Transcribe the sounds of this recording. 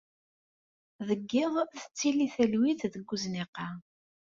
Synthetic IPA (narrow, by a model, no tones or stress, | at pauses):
ðəɡːɪʁˤθə̥t͡sːiliθəlwiθðəɡːuznɪqːɑ